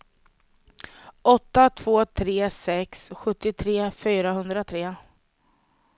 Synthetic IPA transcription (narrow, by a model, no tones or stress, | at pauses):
ʔɔt̪ːat̪ʰv̥oːt̪ʰɾeːsɛksɧɵt̪ːɪt̪ʰɾeːfyːɾaɦɵnd̪ɾat̪ʰɾeː